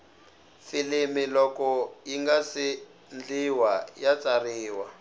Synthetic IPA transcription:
filimilɔkɔjiŋɡasi | nd͡ɮiwajat͡sariːwa

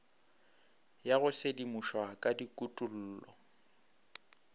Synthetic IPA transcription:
jaɣʊsedimuʃwakʼadikʼutʼul̩ːlɔ̰

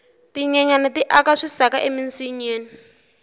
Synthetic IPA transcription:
tiɲɛɲanatiʔakaʂisakaʔeminsiɲeːni

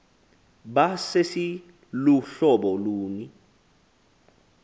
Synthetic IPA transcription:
ɓasesi | luɬɔɓɔluːni

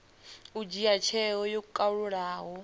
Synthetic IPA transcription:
ud͡ʒiat͡ʃʰɛɦɔjokukʼauɺuɺaːɦɔ

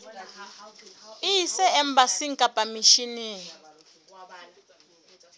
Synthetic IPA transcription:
isɛɛmbasiŋkʼapʼamiʃini

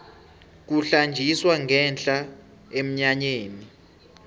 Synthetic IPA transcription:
k̬uɬand͡ʒʱiswaŋɡʱɛnt͡ɬʼa | em̩ɲaɲeːni

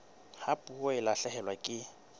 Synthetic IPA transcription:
hapʼuoɪlaɬɛhɛlwakʼɪ

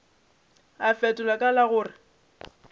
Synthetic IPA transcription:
afɛtʼʊlakʼalaɣʊːrɪ

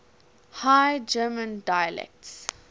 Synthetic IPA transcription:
hajd͡ʒɜːmə̃ndajəlɛ̰k̚ts

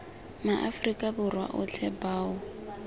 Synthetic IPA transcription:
maʔafrikʼabʊrwa̰ʔʊ̰t͡ɬʰɛbaːʊ

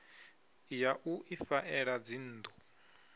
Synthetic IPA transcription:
jaʔuʔifaʔɛɺad͡zin̩ːd̪ɔ

